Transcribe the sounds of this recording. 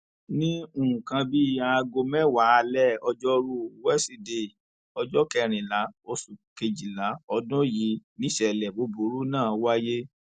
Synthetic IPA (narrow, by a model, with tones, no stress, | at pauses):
nĩ˦u˦˨ũ˨kã˧bi˦i˦˨a˧ɡo˧mɛ˦wa˨˦˧lɛ˦ɔ˧d͡ʒɔ˦ɾu˦wɛ˦si˧˨de˧˨ | ɔ˧d͡ʒɔ˦kɛ˧ɾ̃ĩ˨la˨˦o˧su˨ke˧d͡ʒi˨la˨˦ɔ˧dɔ̃˦ji˧˦nĩ˦ʃɛ˧˨lɛ˨bo˨˦bo˨˦ɾu˦nãː˦˨wa˦je˦